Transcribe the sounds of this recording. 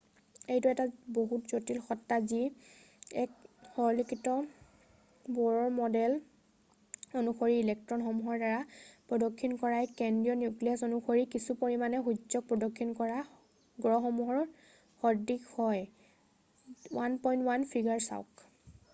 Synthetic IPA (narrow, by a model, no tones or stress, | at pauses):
ejtuɛtaboɦutzotilxɔtːazi | ɛkxɔlikʰitɔ | bɔɹɔɹmɔdɛl | onuxoɹiilɛk̚tɹɔnxɔmuɦɔɹdaɹapɹɔdɔkʰːinkɔɹajkɛndijɔnjukliasonuxoɹikisupoɹimanɛxuzɔk̚pɹɔdɔkʰːinkɔɹa | ɡɹɔxɔmuɦɔɹ | xɔdikhɔj | wanpɔjntwanpʰiɡaɹsa̰ʊk